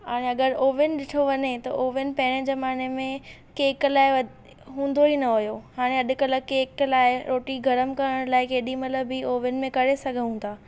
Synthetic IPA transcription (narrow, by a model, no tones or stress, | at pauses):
ɦaːɽ̃eɐɡəɾoːʋɪnɪɗɪʈʰoʋɐɲet̪ɐ̰ʔoːʋɪnɪ̆pɐɦɪɽ̃əd͡ʑɐmaːnemẽ | keːklaːɪɐ | ɦũːn̆d̪oinɐɦojohaːɽ̃ẽɐɗʊ̆kɐlə̆keːklaːɪɾoːʈiɡʱɐɾəmkɐɾəɽ̃laːɪkeːɗimɐt̪ləbːioːʋɪʊnɪ̆mẽkɐɾesɐɡʱə̃ũnd̪aː